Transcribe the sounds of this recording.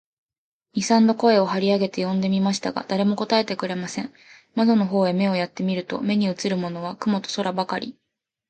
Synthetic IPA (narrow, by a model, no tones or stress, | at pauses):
mʲisãnd̪o̞ko̞e̞o̞ɦaɾʲiaɡe̞t̪e̞jõ̞nd̪e̞mʲimaɕi̥t̪aɡa̰d̪̥aɾe̞mo̞ko̞t̪ae̞t̪e̞kɯ̟ɾe̞masẽ̞ɴ | mad̪o̞no̞ɦo̞ːeme̞o̞jat̪ːe̞mʲiɾɯ̟t̪o̞̰me̞ɲ̟iɯ̟t͡sɨɾɯ̟mo̞no̞βakɯ̟mo̞t̪o̞̥so̞ɾabakaɾʲḭ